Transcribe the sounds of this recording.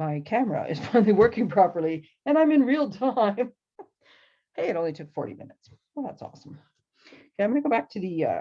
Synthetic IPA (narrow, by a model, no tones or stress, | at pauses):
maɪkʰæmə̰ʔɨ̰z̥fãɪ̃ndˡliwɜ˞kɪ̃ŋpʰɹ̥ɑpə˞lˠi | ɨ̃ñãɪ̃mɨ̃nɹilˠtʰãɪ̃m | heɪɨɾõʊ̃litʰʊkfɔ̰ɹɾḭmɪ̰nɨts | wɛðæ̰tsɔ̰sm̩ | jãɪ̃mɡʌnəɡoʊbæk̚tʰɨðɨʌ̰